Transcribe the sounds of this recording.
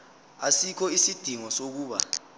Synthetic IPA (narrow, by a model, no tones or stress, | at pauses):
asikʰɔisid̥ʱiŋɔsok̬uːɓa̰